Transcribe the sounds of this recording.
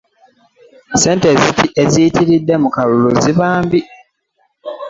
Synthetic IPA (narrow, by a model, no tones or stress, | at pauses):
se̞ːnte̞ːzitiʔezijitiɾidːe̞mukaluluziβaːmbi